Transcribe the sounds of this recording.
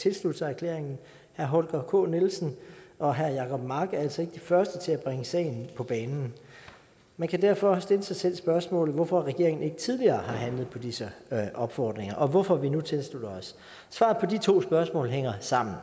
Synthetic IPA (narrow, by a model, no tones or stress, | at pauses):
t͡sʰe̝lslud̥sæɐkʰle̝ɐeŋn̩ | hæɐɦɔ̽lɡ̥ɐkʰɔ̰ːnelsn̩ɒ̽ɦæɐjɑ̈kʰɒ̽b̥mɑ̈ːɡ̥æɐæl̰sɒ̽e̝ɡ̥əd̥ifɶɐsd̥ət͡sʰe̝læb̥ʁeŋəsɛ̰ɪnpʰɒ̽b̥ɛːnn̩ | mænkʰæd̥æɐ̰fɒ̽sd̥e̝ləsɑ̈ɪsel̰sb̥ɶɐsmɔ̰ːlð̩ˠʋɒfɒ̽ʁɛɡ̥e̝ɐ̰e̝ŋn̩e̝ɡ̥ət͡sʰið̞ˠliɐːhɑ̈ɦænləð̞̩ˠpʰɒ̽d̥isəʔɒ̽b̥fɒːd̥ʁeŋɐʔɒ̽ʋɒfɒ̽ʋinut͡sʰe̝lslud̥ɐɒs | sʋɑ̈ð̩ˠpʰɒ̽dit͡sʰo̝̰ːsb̥ɶɐsmɔ̰̽ːlɦeŋ̰ɐsɑ̈m̰n̩